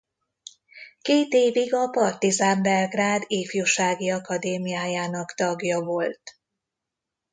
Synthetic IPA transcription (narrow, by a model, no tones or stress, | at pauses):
keːt̪eːviɡɒpɒrt̪izaːmbɛrɡraːd̪eːfjuʃaːɡiɒkɒd̪eːmijaːjaːnɒkt̪ɒɡjɒvo̞lt̪